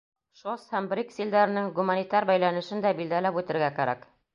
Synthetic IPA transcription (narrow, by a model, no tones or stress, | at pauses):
ʃoshæmbɾʲiksild̪æɾɘ̆nɘŋɡumanʲit̪ɑɾbæjlænɘ̆ʃɘnd̪æbild̪ælæpʉt̪ɘ̆ɾɡækæɾæ̰k